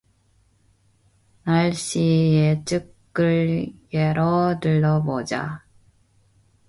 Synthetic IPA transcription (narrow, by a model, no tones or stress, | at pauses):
naɭɕ͈iet͡ɕ͈ɯk͈ | ɯɭjeɾʌdɯɭːʌbod͡ʑa̰